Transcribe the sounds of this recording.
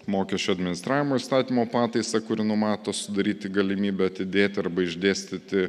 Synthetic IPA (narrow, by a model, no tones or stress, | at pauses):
moːkʲɛʃʲt͡ʃʲuɐd̪ʲmʲɪnʲɪst̪ɾɑːʋʲɪmoːɪst̪ɑːt̪ʲiːmoːpɑːt̪ɐɪsɐkʊɾʲɪnʊmɑːt̪oːsʊd̪ɐɾʲiːt̪ʲɪɡɐlʲɪmʲiːbʲɛɐt̪ʲɪd̪ʲeːt̪ʲɪɐɾbɐɪʒʲd̪ʲeːsʲt̪ʲɪt̪ʲɪ